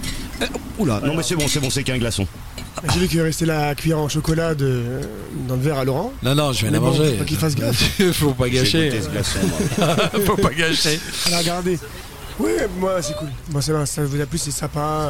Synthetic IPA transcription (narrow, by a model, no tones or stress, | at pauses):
ula̰nɔ̃mɛsɛbɔ̃sɛbɔ̃sɛkɛ̃ɡlasɔ̰̃ | bɛʒevyk̬əʁɛst̪elakʲɥijɛʁɑ̃ʃɔkɔlad̪ø | d̪ɑ̃ləvɛʁalɔʁɑ̃nɔ̃nɔ̃ʒəvjɛ̃mɛamɑ̃ʒepak̬ifas̬ɡlaffopaɡaʃet̪ɛsɡlasɔ̰̃ | fopaɡaʃealaʁɡaʁd̪e | wimwasɛkulbwas̬ɛvãsavuzɛplysesapa